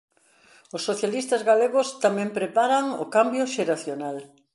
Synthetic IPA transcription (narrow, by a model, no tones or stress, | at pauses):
ʊsːoθjalist̪azɣaleɣʊst̪amɛ̃mpɾepaɾaŋʊ̰kambjʊʃeɾaθjonal